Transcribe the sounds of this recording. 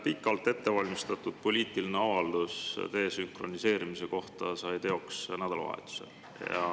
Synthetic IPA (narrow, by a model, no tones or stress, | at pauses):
pikːˑɑlt̪ːˑe̞t̪ːe̞vɑlʲmist̪ɑt̪ːˑud̪̥̚po̞lʲiːt̪ˑilineɑvɑld̪̥ust̪e̞ːsyŋkro̞nise̞ːɾimise̞ko̞ht̪ɑsɑjt̪e̞o̞ksnæd̪ɑlɑ̰vɑ̰ḛt̪ːˑu̥sḛl | jɑ̰